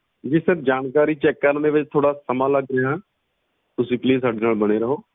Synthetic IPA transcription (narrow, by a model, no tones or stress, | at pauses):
d͡ʒiːsəɾd͡ʒaːnkaːɾiːt͡ʃɛkːəɾnẽːʋɪt͡ʃt̪ʰoːɽaːsəmãːləɡɾəãː | t̪ʊsĩːpliːs̬aːɖeːnaːlbəɽ̃eːɾəɦoː